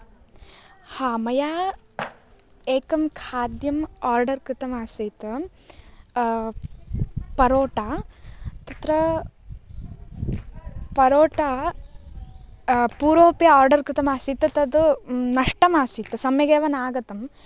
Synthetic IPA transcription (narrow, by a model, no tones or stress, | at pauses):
haːmɐjaː | eːkɐmkʰaːd̪jɐmaːɾɖɐɾkɾɪt̪ɐmaːsiːt̪ɐ | pɐɾoːʈaːt̪ɐt̪ɾɐ | pɐɾoːʈaː | puːɾoːpjɐaːɾɖɐɾkɾɪt̪ɐmaːsiːt̪ɐt̪ɐd̪unɐʂʈɐmaːsiːt̪ɨsɐmjɐɡeːʋɐnaːɡɐt̪ɐm